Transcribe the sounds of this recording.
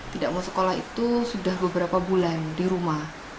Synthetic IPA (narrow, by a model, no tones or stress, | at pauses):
t̪idaʔmasə̥kolaɦḭt̪usudahbəbəɾapabulandiɾumah